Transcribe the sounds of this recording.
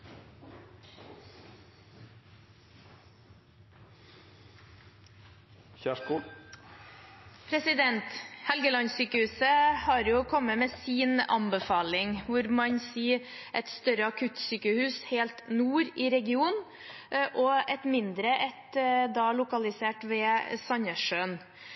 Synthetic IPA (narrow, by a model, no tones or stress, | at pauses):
çæku | pʰɾɛsɪd̪ɛnt̪hɛlɡəlɑnsyːkəhʉːsəhɑɾjʊkʰɔmːəmeːsiːnɑ̰mbəfɑːlɪŋʋʊɾmɑɲsiː | ʔɛt̪st̪œɾəɑkʰʉt̪syːkəhʉːsheːlt̪nuːɾɪɾɛɡɪuːn | ʔɔʔɛt̪mɪnd̪ɾəʔɛt̪d̪ɑːlʊkɑlɪseːʈʋeːsɑɲəʂøːn